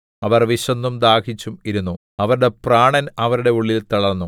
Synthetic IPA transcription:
ɐʋɐrʋiɕɐnːumd̪aːkʰit͡ɕːumiɾunːu | ɐʋɐɾuɽe̞praːɳɐnɐʋɐɾuɽe̞uɭːilt̪ɐɭɐrnːu

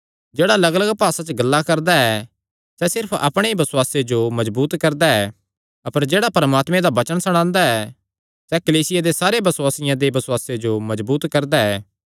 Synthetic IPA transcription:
d͡ʒeːɽalɐɡləɡpaːsat͡ʃəɡɐlːakɐɾd̪aɛ | sɛsɪɾpʰɐ̰pɽ̃eibɐsʊwaːsed͡ʒomɐzbuːt̪kɐɾd̪aɛː | ɐpəɾd͡ʒeːɽapɐɾəmaːt̪mẽd̪abɐt͡ʃənsɐɽ̃ãːnd̪aɛ | sɛkɐliːsɪjad̪esaːɾebɐsʊwaːsɪjãd̪ebɐsʊwaːsed͡ʒomɐzbuːt̪kɐɾd̪aɛː

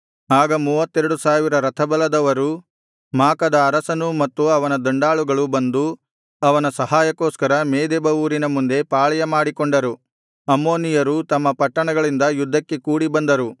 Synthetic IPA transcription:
aːɡɐmuːʋɐt̪ːɛɾɐɽusaːʋiɾɐɾɐt̪ʰɐbɐlɐd̪ɐʋɐɾu | maːkɐd̪ɐːɾɐsɐnumɐt̪ːuɐʋɐnɐd̪ɐɳɖaːɭuɡɐɭubɐnd̪u | ɐʋɐnɐsɐɦaːjɐkoːskɐɾɐmeːd̪eːbɐuːɾinɐmund̪e̞paːɭɐjɐmaːɽikɔɳɖɐɾu | ɐmːo̞ːnijɐɾut̪ɐmːɐpɐʈːɐɳɐɡɐɭind̪ɐjud̪ʱːɐkːe̞kuːɽibɐnd̪ɐɾu

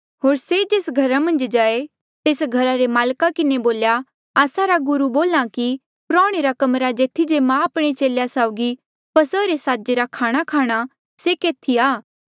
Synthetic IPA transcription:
ɦoːɾsed͡ʒeːsɡʱɐɾamɐ̃nd͡ʒd͡ʒaːe | t̪eːsɡʱɐɾaɾemaːlkakɪneboːlja | aːsaɾaɡʊɾuboːlãki | pɾɔːɽ̃eɾakɐmɾad͡ʒeːt̪ʰid͡ʒemãɐpɽ̃et͡ʃeːljasaːʊɡi | pɐsəɾesaːd͡ʒeɾakʰaːɽ̃akʰaːɽ̃a | sekeːt̪ʰiaː

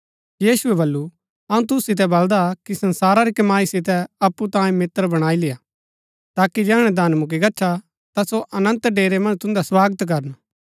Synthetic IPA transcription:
jiːsʊɛbɐlːu | ɐũt̪̬ʊssɪt̪̬ɛbɐld̪akisɐ̃nsaːɾaɾikɐmaːisɪt̪̬ɛɐpːut̪ãːjẽmɪt̪ːəɾbɐɽ̃aːilɪja | t̪aːkid͡ʒɛːɽ̃ɛd̪aːnmʊk̬iɡɐtːʃʰa | t̪asoʔɐnə̃nt̪ɖeːɾemɐ̃nt̪ʊ̃nd̪aswaːɡət̪k̬ɐɾən

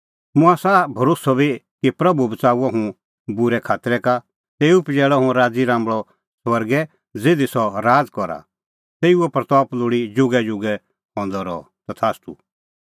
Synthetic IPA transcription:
mʊ̃asaːbʱɐɾosɔbi | kipɾɐbubət͡saːuaɦũ | bʊɾɛkʰaːt̪ɾɛka | t̪eːupd͡ʒɛːɭɔɦũɾaːd͡ziɾãːmbɭɔ | swɐɾɡɛ | d͡zed̪isɔɾaːd͡zkɔɾa̰ | t̪eːuɔpɾɐt̪ɔːplʊːɽid͡ʒʊɡɛd͡ʒʊɡɛ | ɦɔ̃ːnd̪ɔɾɔ̰ | t̪ɔt̪ʰaːst̪ṵ

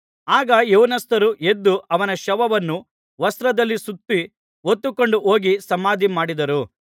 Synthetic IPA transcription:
aːɡɐjuwnɐst̪ɐɾuʔed̪ːuʔɐʋɐnɐʃɐʋɐʋɐnːu | ʋɐst̪ɾɐd̪ɐlːisut̪ːi | ot̪ːukoɳɖuʔo̞ːɡisɐmaːd̪ʱimaːɽid̪ɐɾu

